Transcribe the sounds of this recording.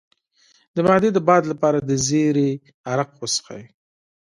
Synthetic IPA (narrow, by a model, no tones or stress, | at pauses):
d̪əmɑd̪ed̪əbɑd̪lapɑɾad̪əzeɾe | aɾaqwəsxa̰ji